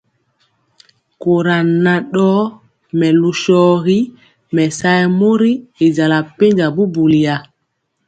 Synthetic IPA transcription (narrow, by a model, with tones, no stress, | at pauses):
ko˨ɾa˨nːa˨ɗɔ˦ | mɛ˨lu˨ʃɔː˦ɣi˦ | mɛ˨sa˦jmo˦ɾi˦e˨d͡ʒa˨la˨pe˦ɲd͡ʒa˨bu˦bu˨li˨a˨